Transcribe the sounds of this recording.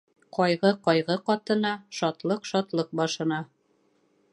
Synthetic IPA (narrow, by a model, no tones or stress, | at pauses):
qɒjʁɤqɒjʁɤqɒt̪ɤ̆nɑʃɒt̪lˠɤqʃɒt̪lˠɤq̚bɒʃɤ̆nɑ